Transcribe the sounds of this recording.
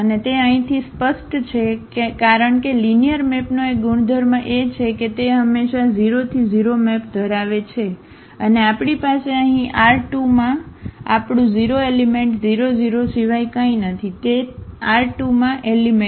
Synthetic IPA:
ənet̪eə̃ɦĩt̪ʰispəsʈt͡ʃʰekekaɾəɳkelinijəɾmɛpnoek̚ɡuɳ̃d̪ʱəɾmãʔet͡ʃʰeket̪eɦəmːeʃaziɾot̪ʰid͡ʒiɾomɛpd̪ʱəɾaʋet͡ʃʰe | əneapɳipaseəɦĩʔaɾʈumãa̰pɽ̃ũd͡ʒiɾoelimẽɳʈziɾod͡ʒiɾoʃiʋajkaĩnət̪ʰit̪eaɾʈumãʔelime

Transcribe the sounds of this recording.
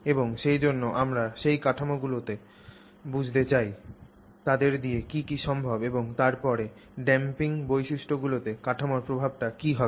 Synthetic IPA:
eboŋʃejd͡ʑonːoʔamɾaʃejkaʈʰamoɡulot̪e | bud͡ʑʱt̪et͡ɕaj | t̪ad̪eɾd̪iekikiʃɔmbʱabeboŋt̪aɾpɔɾe | ɖɛmpiŋbojʃiʃʈʰoɡulot̪ekaʈʰamoɾpɾobʱab̚ʈakiɦɔe

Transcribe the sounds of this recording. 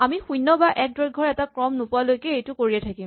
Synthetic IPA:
amixujnːɔbaʔɛk̚dɹɔɡʱɔɹɛtakɹɔmnʊpʊalojkɛejtʊkoɹiɛtʰakim

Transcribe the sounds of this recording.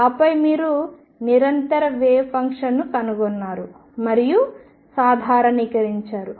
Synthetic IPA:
ɐpɐjmiːɾu | niɾɐnt̪ɐɾɐʋɛːpɐŋkʂɐnːukɐnuɡɔnːaːɾu | mɐɾiju | saːd̪ʱaːɾɐniːkɐɾiɲt͡ʃaːɾu

